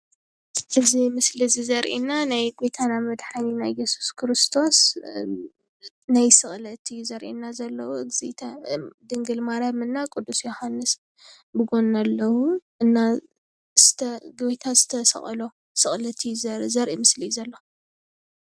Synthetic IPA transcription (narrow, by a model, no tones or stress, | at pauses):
ʔɨzimɨslizizɐɾʔḭnanajɡo̞jt̪ʰanamɐd̪ħaninajːɛsu̥skʰɨɾɨst̪ʰo̞s | najsɨχʼlɐt̪ʰɨjːuzɐɾʔḭnːazɐlːɐwuzit̪ʰɐd̪ɨŋɡɨlmaɾamɨnːakʼud̪ːusjohanːɨs | bɨɡo̞nalːɐwuʔɨnːa | zɨt̪ʰɐɡbt̪ʰazɨt̪ʰɐsɐ̰χʼlo̞ | sɨχʼlɐt̪ʰijuzzɐɾʔimɨslijzɐlːo